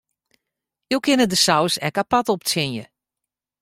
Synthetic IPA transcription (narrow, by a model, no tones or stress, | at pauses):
jowkʰɪnədəsawsɛkapatɔp̚t͡sɪnjə